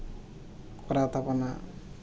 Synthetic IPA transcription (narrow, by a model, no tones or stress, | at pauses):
kuɾat̪apana